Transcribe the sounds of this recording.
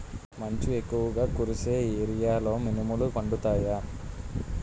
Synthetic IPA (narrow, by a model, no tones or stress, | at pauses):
mɐɲt͡ʃiekːuʋɐɡaːkuɾuse̞ːieɾijaːlo̞ːminimulukɐɳɖut̪aːjaː